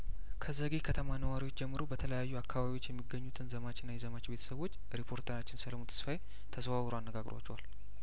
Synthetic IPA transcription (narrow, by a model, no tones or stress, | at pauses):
kʰəzəɡihkʰət̪ʰəmanəwaɾiwo̞t͡ʃːd͡ʒɛmːɨɾobət̪ʰələjajːuakːaβaβiwo̞t͡ʃːjɛmːiɡəɲːut̪ʰɨnzəmat͡ʃɪnːajɛzəmat͡ʃbe̞t̪ʰə̥səβo̞t͡ʃː | ɾipʰo̞ɾt̪ʰəɾat͡ʃːɪnsələmut̪ʰə̥sfaje | t̪ʰəswawɾoanːəɡaɡɾo̰wa̰t͡ʃːɛwal